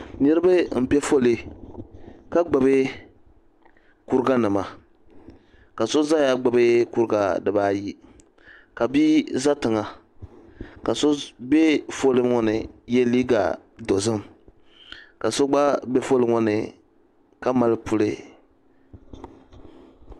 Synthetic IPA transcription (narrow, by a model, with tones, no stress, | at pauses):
nɨ˦ɾɨ˦bɨ˦m̩˨pɛ˦fo˦lɨ˨ | ka˦ɡ͡ba˨bɨ˦ | ku˦ɾɨ˦ɡa˦nɨ˨ma˨ | ka˨so˦za˦ja˦ɡ͡ba˨bɨ˦ku˦ɾɡa˨dɨ˨baː˦ji˦ | ka˨bi˦za˦tɨ˨ŋa˨ | ka˨so˦bɛ˦fo˦lɨ˦ŋɔ˦nɨ˨jɛ˦liː˦ɡa̰˨ | do˨zɨ˦m | ka˨so˦ɡ͡ba˦bɛ˦fo˦lɨ˨˦ŋɔ˦nɨ̰˨ | ka˦ma˨lɨ˦pu˦lɨ˦